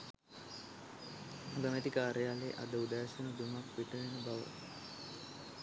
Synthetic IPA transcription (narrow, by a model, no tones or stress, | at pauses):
ɡəmet̪ikaːɾəjaːleːʔa̰d̪əud̪aːɕɐnəd̪umakʋiʈ̪əʋenəbaʋə̰